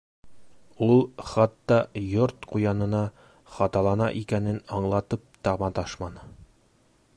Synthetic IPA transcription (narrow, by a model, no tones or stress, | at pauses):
ulˠχɑt̪ːɑjoɾt̪qujɑnɤ̆nɑ | χɑt̪ɑlˠɑnɑʔikænɘnɑɴlˠɑt̪ɤp̚t̪ɑʁmɑt̪ɑʃmɑnɤ